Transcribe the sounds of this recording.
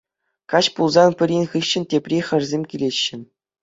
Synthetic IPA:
kɑɕpulˠzɑnpʲɘ̆ɾʲinʲχɯɕːɘ̆nʲtʲepʲrʲiχʲɘ̆rʲzʲemʲkʲilʲeɕːɘ̆

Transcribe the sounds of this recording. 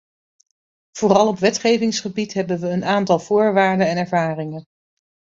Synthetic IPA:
v̥oːrɑlˠɔpʋɛtχejvɪŋsχəbitɦɛbənʋəːnaːntɑlˠv̥ʊːɹʋaːɹdənɛnɛɹvaːrɪŋən

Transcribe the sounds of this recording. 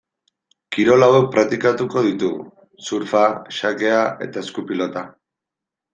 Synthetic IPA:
kiɾo̞lawek̚pɾat̪ikat̪uko̞ð̞it̪u | suɾfaʃake̞aʔe̞̰t̪ae̞skupilo̞t̪a

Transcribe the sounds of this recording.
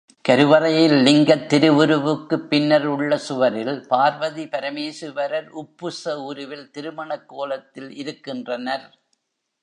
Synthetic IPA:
kɐɾɯʋɐɾɐjɪlːɪŋɡɐt̪ːɪɾɯʋɯɾɯʋɯkːɯpːɪnːɐɾʊɭːɐsʊʋɐɾɪlpaːɾʋɐðipɐɾɐmeːsɯʋɐɾɐɾʊpːɯsɐʊɾɯʋɪlt̪ɪɾɯmɐɳɐkːoːlɐt̪ːɪlɪɾɯkːɪndrɐnɐɾ

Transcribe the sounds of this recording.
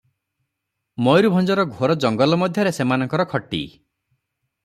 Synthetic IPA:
mɔjɾubʱɔnd͡ʒɔɾɔɡʱoɾɔd͡ʒɔŋɡɔlɔmɔd̪ʱjɔɾesemanɔŋkɔɾɔkʰɔʈːḭ

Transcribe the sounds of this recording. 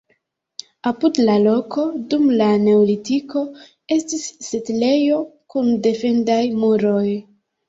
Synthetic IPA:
apudlalo̞ko̞dumlane̞olitiko̞ | e̞stisːetle̞jo̞kunde̞fe̞ndajmuɾo̞j

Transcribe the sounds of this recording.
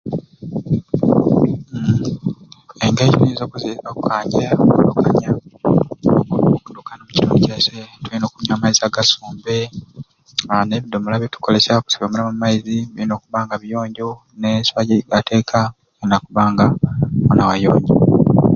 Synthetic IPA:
eŋɡecinizokuzokukaːɲɟeokundukʰaɲa | okunkundukanomuci̥tʰoːncesetulino̞ːkumɲaːmaiziaɡasuːmbe | aneβidomulaβjitu̥ko̞le̞saoku̥sijomelamumːaizitilino̞ːkuβaːŋɡaβijo̞ːɲɟo | neswaɟeiɡatʰe̞ːkʰa | enakuβaːŋɡamonawajo̰ːɲɟo

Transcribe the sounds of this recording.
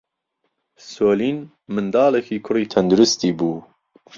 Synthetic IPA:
soːliːn | mɨnd̪ɑːlɛkʰiːkʰʊɾiːt̪ʰɛnd̪uɾʊst̪iːbuː

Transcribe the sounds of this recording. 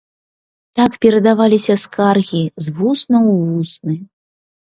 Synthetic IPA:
t̪akpʲɛɾɐd̪avalʲisʲɐskarɣʲizvusnɐwvusnɨ

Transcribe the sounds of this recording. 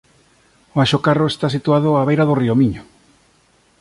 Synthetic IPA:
oaʃokaroest̪asit̪uað̞ʊaβejɾaðoriomiɲo

